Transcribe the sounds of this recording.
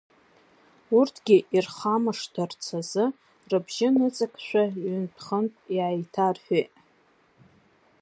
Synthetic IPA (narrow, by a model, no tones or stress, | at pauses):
urtʰɡ̥ʲiʔirχamɨʂdart͡sʰazɨ | rɨbʒɪnɨt͡sʼakʰʼʃʷᶣaɥʏnpʰχəntʼiʕajtʰarħᶣejʔʼ